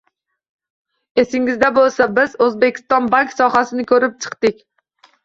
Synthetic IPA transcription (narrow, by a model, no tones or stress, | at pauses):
esɪŋɪzd̪abolˠsabɪzɵzbe̞kʲʰɪ̥st̪ɒnbaŋksɒhasɪnɪkʰɵɾɪp̚t͡ʃʰɨ̥qt̪ɪkʲ